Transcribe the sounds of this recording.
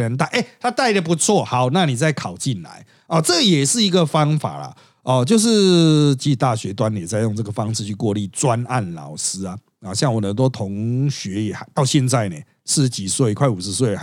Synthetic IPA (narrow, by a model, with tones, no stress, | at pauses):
ə˧˦nt̪a˥˧ɪʔe˥˩t̪ʰa˥t̪a˥˩ɪd̪ə˨˩p̬u˧˥t͡sʰwɔ˥˨hɑ˨˦ʊna˥˨ni˨˩t͡sa˥˩ɪkʰɑ˨˩ʊt͡ɕi˥˩nla̰˧˦ɪ | ɔ˨˩t͡sɤ˥˩ɡə˨jɛ˨˩ʂɻ̩˥˩i˧˥ɡə˨fɑ˦ŋfa̰˨˩lɐ̰˨˩ | ɔ˨t͡ɕjo˥˧ʊʂ̬ɻ̩˥˧t͡ɕi˥˧˨t̪a˥˨ɕɥɛ˧˥t̪̬wa˦n˨jɛ˨˩t͡sa˥˧ɪjʊ˥˧ŋt͡sɤ˥˩ɡə˩fɑ˦ŋʂ̩ʰ˥˧y˥˧kwɔ˥˧li˥˩t͡swa˦na˥˨nlɑ̰˨˩ʊsɹ̩˥a˨ | ɔ˨˩ɕja˥˩ŋwɔ˨˩nə˨˦nt̪̬wɔ˦˥t̪ʰo˧˦ŋɕɥɛ˧˥ɛ˨˩˨t̪ɑ˥˧ʊɕjɛ˥˧nt͡sa˥˩ɪne˨˩ | sɻ̩˥˧˥t͡ɕi˨˩swe˥˩ɪ˧kʰwa˥˩ɪu˨˩ʂ̩˧˦s̬we˥˩ɪ˧